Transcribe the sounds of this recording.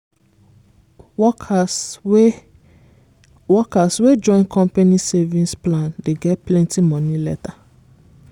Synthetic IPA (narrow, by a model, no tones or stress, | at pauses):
ɔ | wɔkaswed͡ʒɔ̃ɪ̃nkʰɔ̃mpanisevĩnsplãndeɡɛtplɛ̃ntimɔ̃nilɛta